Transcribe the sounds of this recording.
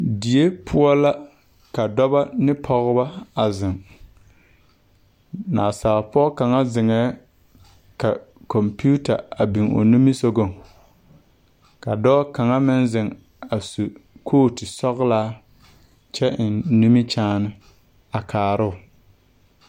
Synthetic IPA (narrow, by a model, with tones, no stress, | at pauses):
di˨je˦pʰʊ˦ɔ˦la˦ | ka˨dɔ˦ba˦nɪ˦pʰɔ˨ɣʊ˦ba˦a˨zɪ˨ŋ | naː˨saː˨pʊ˦ɔ˦ka˨ŋa˦zɪ˨ŋɛː˨˦ | ka˨kɔ˨mpu˦ta˨a˨bi˨ŋo̰˨nu˦mi˦so˦ɡo˦˨ŋ | ka˨dɔː˦ka˨ŋa˦mɪ˦nzɪ˨ŋ | a˨su˨kʰoː˦tɪ˨sɔ˦ɣlaː˦ | t͡ʃɛ˦ɪ˨nnu˦mi˦t͡ʃaː˦nɪ˦ | a˨kʰaː˨ɾʊ˦˨ʊ˨